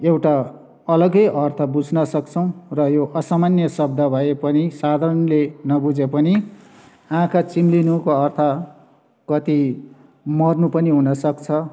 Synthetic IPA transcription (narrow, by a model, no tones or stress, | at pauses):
ewʈa | ʌlʌɡʌjʔʌrt̪ʰʌbud͡zʱnʌsʌkt͡sʰʌw̃rʌjoʔʌsamanjʌsʌb̚d̪ʱʌbʱʌepʌnisad̪ʱaɾʌnlenʌbud͡zepʌni | ãkat͡simlinukoʌrt̪ʰʌ | kʌt̪i | mʌrnupʌniɦunʌsʌkt͡sʰʌ